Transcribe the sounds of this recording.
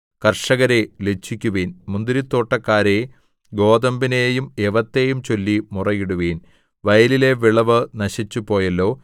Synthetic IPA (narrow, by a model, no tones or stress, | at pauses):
kɐrʂɐɣɐɾelet͡ɕʰːikʲːuʋiːnmund̪iɾit̪ːo̞ːʈːɐkːaːɾe̞ | ɡo̞ːd̪ɐmbinejumeʋɐt̪ːe̞jumt͡ɕo̞lːimurɐjiɽuʋiːn | ʋɐjɐlile̞ʋiɭɐʋɨnɐɕit͡ɕːupo̞ːjɐlːo̞ː